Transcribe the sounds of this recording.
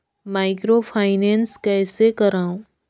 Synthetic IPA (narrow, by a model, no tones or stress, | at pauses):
maːɪkɾopʰaːɪnɛːnskɛːsekɐɾaːũ